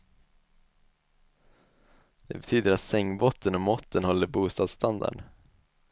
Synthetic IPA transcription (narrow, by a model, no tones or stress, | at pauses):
d̪̥ɛ̰bɛt̪ʰyːd̪əɾat̪sɛŋbɔt̪ʰːənɔmɔt̪ːənhɔlːəɾbuːst̪ɑːd̪st̪and̪a̰ɖ